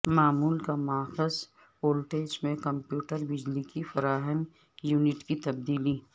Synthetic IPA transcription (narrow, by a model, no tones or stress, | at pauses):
maːmuːlkamʊaːxəs | oːlʈeːd͡ʒmẽkɐmpjuːʈəɾbɪd͡ʒlikifɐɾaːɦən | juːnɪʈkit̪ɐb̚d̪iːli